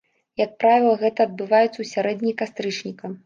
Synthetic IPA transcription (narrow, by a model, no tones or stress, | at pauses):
jɐk̚pɾavʲilˠɐɣɛt̪ɐːd̪̚bɨvajut̪sːɐwsʲaɾɛd̪ʲnʲikast̪ɾɨt͡ʂnʲikɐ